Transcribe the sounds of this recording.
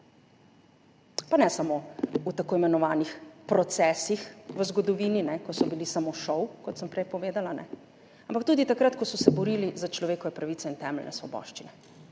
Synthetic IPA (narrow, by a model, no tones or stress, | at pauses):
panɛsamout̪akoːimɛnɔʋaːnixpɾɔt̪sɛːsixʋəzɡɔd̪ɔʋiːninɛkɔsɔbilisamoʃɔwkɔt̪səmpɾɛjpɔʋeːd̪alanɛ̰ | ampak̚t̪uːd̪it̪akɾat̪kɔsɔsɛbɔɾiːlizat͡ʃlɔʋeːkɔʋɛpɾaʋiːt̪ɛint̪ɛmɛlnʔɛ̰sʋɔbɔ̰ʃt͡ʃinɛ